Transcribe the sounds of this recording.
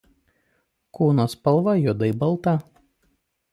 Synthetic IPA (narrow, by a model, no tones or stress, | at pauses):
kuːnoːspɐlˠʋɐjʊd̪ɐɪbɐlˠˑt̪ɐ